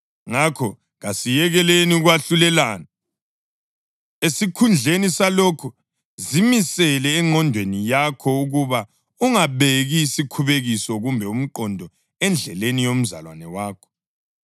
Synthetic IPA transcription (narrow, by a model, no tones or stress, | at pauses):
ŋakʰɔ | ɣasijɛɣɛleniuɣwaɬulɛlaːna | esikʰund͡ɮʱenisalɔkʰu | zimisɛlɛːŋʱɔndʱwenijakʰɔuɣuβa | uŋaβeɣisikʰuβeɣisɔɣumbʱɛum̩ǃɔndʱɔ | ɛnd͡ɮʱɛ̰lenijom̩za̰lwa̰nɛwaːkʰɔ̥